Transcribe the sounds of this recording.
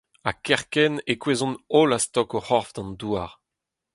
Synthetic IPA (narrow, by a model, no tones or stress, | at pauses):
akɛʁkɛnekwezɔ̃nolast̪ɔkoχɔʁfd̪ɑ̃nd̪uaʁ